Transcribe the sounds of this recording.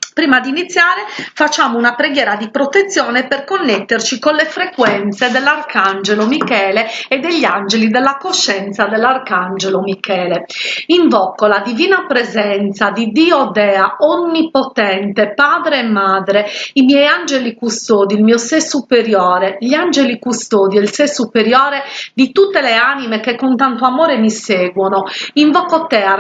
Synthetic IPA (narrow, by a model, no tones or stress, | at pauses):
pɾiːmad̪init̪sːjaːɾefat͡ʃːaːmounapɾeɡjɛːɾad̪ipɾot̪et̪sːjɔːneperkonːet̪ːert͡ʃikolefɾekwɛnt̪sed̪elːarkand͡ʒelomikɛːleːd̪eʎːand͡ʒelid̪elːakoʃːɛnt̪sad̪elːarkand͡ʒelomikɛːleiɱvɔkːolad̪iviːnapɾezɛnt̪sad̪id̪iːɔd̪ɛːaonːipɔt̪ɛnt̪epaːd̪ɾeːmːad̪ɾeimjɛjand͡ʒelikust̪oːd̪ilmiɔsesupeɾjɔːɾeʎand͡ʒelikust̪oːd̪iɛilsesupeɾjɔːɾed̪it̪ut̪ːeleanimekekːont̪ant̪oamɔːɾemiseːɡwɔnoiɱvɔkːot̪ɛa